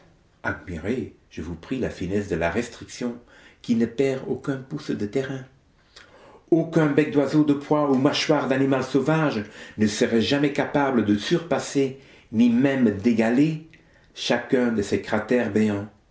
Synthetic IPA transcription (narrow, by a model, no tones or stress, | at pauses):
ad̪miʁe | ʒ̥əvupχilafinɛs̬d̪əlaʁɛst̪χiksjɔ̃ | kʲinəpɛʁokɛ̃pusd̪ət̪ɛʁɛ̃ | okɛ̃bɛk̚d̪wazod̪əpχwaumaʃwaʁd̪animalsovaʒnəsəʁɛʒamɛkapabləd̪əsyʁpase | nimɛmd̪eɡale | ʃakɛ̃d̪əsɛkχat̪ɛʁbeɑ̃